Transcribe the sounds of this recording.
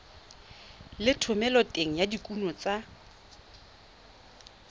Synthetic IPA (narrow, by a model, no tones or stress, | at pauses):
lɪtʰʊmɛlɔtʼeŋ̩jadikʼunɔt͡sʼa